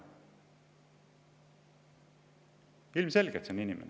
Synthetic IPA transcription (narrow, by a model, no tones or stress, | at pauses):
ilmse̞lɡ̥et̪seoninimḛn